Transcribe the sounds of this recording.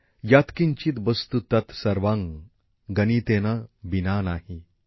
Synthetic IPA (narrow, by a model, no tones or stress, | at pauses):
jat̪kiɲt͡ɕit̪ʋəst̪ut̪ɐt̪sɐɾʋãŋ | ɡɐnit̪enabinanaːhi